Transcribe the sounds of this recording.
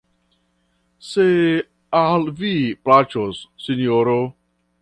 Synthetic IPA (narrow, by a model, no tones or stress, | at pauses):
se | alviplat͡ʃosːinjoɾo